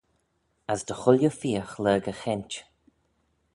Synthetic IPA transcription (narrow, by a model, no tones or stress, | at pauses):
azd̪əxʊljəfiːəxləːɡəxɛnt͡ʃ